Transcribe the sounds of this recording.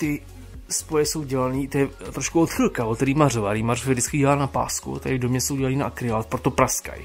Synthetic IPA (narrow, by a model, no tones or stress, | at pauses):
t̪ɪ | spojɛso̞wɟɛlaniːt̪ojɛt̪ɾoʃkuot̪xɪlkavot̪t̪ɛɾiːmarovaɾiːmarfɪzɪt͡skɪɟɛlaːnapa̰ːskṵt̪a̰jɪdomɲɛsowɟɛlaniːnaʔkɾɪvaːt̪̚pɾot̪opɾaska̰j